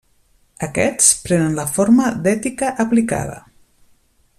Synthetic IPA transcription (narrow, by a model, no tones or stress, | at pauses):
əkɛt͡spɾɛnənləfoɾməd̪ɛt̪ikəʔːplika̰ðə̰